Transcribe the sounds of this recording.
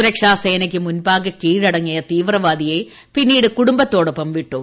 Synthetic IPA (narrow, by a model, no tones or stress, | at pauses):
ɾɐkʂaːseːnɐk̬ʲːɨmunbaːɡɐkːiːɻɐɽɐŋːijɐt̪iːʋrɐʋaːd̪ije | pinːiːɽɨkuɽumbɐt̪ːo̞ːɽopːɐmʋiʈːoː